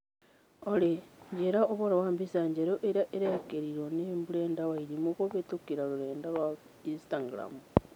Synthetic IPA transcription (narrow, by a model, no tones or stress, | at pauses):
oleɲɟeɾaoβoɾawaːmbisaːɲɟeɾoʔeɾaʔeɾekeɾiɾonembuleːndaβaiɾimukoβetukiɾaluɾeːndala | instaɡɾa̰mu